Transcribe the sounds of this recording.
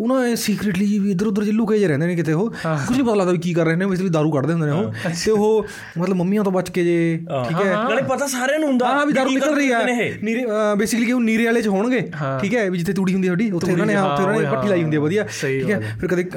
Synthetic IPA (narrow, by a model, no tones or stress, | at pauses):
ʊnãːesiːkɾeːʈliːd͡ʒiːʋiːd̪əɾʊd̪əɾd͡ʒɪlːũːkeːd͡ʒeːɾɛ̃ːnd̪eːneːk̬ɪt̪ʰeːɦoːkʊt͡ʃʰnĩːpət̪aːlaːd̪aːbiːkiːkəɾːɛɦneːõɪst̪eːʋiːd̪aːɾũːkəɽd̪eːɦndeːneɦõːt̪eːʊɦoː | mət̪ləbməmːiːãːt̪õːbət͡ʃkeːd͡ʒeːʈʰiːkɛːepət̪aːsaːɾãːnũːɦʊ̃nd̪aãːɦaːʋiːd̪aːɾuːnɪəlɾəɦiːɛːniːɾeːbeːsɪkəliːkɦõːniːɾeːaːleːt͡ʃɦoːɳɡẽːʈʰiːkɛːʋiːd͡ʒɪt̪ʰːeːt̪̬uːɽiːɦʊnd̪iːəɖiːʊt̪ʰːeːʊnãːneːɦãːʊt̪ʰːeːʊnaːneːpəʈʰːiːlaːiːɦʊnd̪iːɛːbəd̪iːaːʈʰiːkɛːpʰɪɾkəd̪eː